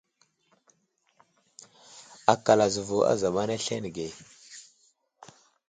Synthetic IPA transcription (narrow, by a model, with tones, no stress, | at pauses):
a˨ka˨la˨zu˨vu˨a̰˦za˨ɓa˦na˦ɬe˦n˨ɡe˨